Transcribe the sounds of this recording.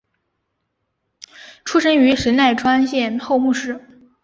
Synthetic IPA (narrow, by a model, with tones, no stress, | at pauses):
ʈ͡ʂʰu˥ʂɤ˥ŋy˧˥ʂə˧˥nna˥˩ɪʈ͡ʂʰwa˥nɕjɛ˥˧nxo˥˧ʊmu˥˧ʂɻ̩˥˩